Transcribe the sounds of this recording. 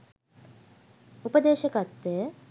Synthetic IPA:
upəd̪eːʃəkɐt̪ːejə

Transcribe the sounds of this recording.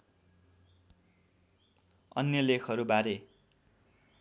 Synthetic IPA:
ʌ̰njʌlekʰʌɾubaɾe

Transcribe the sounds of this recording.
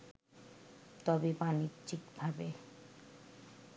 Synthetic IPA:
t̪ɔbebanidd͡ʒikbʱabe

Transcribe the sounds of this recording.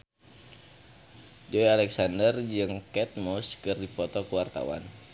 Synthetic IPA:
d͡ʒɔialɛksandərd͡ʒɨŋkɛt̪̚mɔskɨrdipɔt̪ɔkəwart̪a̰wa̰n

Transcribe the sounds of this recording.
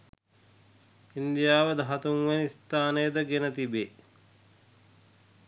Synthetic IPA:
ind̪ijaːʋəd̪ɐɦɐt̪uŋʋeniist̪aːnejəd̪əɡenət̪ibeː

